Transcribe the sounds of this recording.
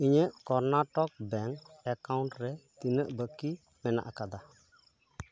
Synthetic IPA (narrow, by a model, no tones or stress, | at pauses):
iɲəʔkɔɾnaʈɔk̚bɛŋɛkawnʈɾɛt̪inəʔbəki | mɛna̰ʔakad̪a